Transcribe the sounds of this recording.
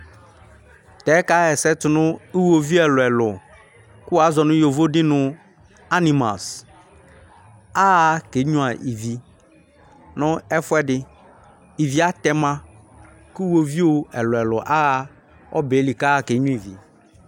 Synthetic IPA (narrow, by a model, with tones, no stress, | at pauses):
t̪ɛ˨˦ka˦ɣɛ˨sɛ˦tʊ˨nʊ̃˦i˦wo˨vi˦ɛ˨lʊ˨ɛ˨lʊ˨ | kʊ˦wa˨˦zɔ˨nʊ̃˦jo˨vo˦dɪ˦nʊ̃˦ | a˦ni˨ma̰˨s | a˦˨ke˨˦ɲũ˦a˨ʔi˨vi˨ | nʊ̃˦ɛ˦fʊ˦ɛ˦dɪ˦ | i˨vi˨a˦t̪ɛ˦mã˦ | kʊ˦wo˦vi˦o˨ɛ˨lʊ˨ɛ˨lʊ˨ʔa˦˨ | ɔ̰˦be˨˦li˨ka˦˨ke˨˦ɲʊ̃˦i˨vḭ˨